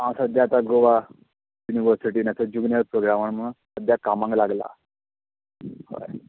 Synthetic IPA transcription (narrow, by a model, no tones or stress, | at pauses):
ãsəd̪jat̪aɡoʋa | juniʋəɾsiʈiːnat͡səd͡ʑuɡnjəɾpɾoɡɾaməɳm̤əũ | əd̪jakamãŋɡlaɡla̰ | ho̰j